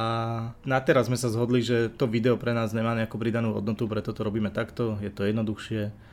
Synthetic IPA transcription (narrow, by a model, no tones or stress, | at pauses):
anat̪ɛɾazːmɛsazɦɔd̪liʒɛt̪ɔʋid̪ɛɔpɾɛnaːzɲɛmaːɲɛakuːpɾid̪anuːɦɔ̰d̪nɔt̪upɾɛt̪ɔt̪ɔɾɔbiːmɛt̪akt̪ɔjɛt̪ɔjɛd̪nɔd̪uxʃɪɛ